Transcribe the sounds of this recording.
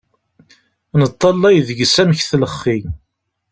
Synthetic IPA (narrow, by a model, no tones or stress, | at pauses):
nət̪ˤːɑlːæjðəɡsæmçθləχːi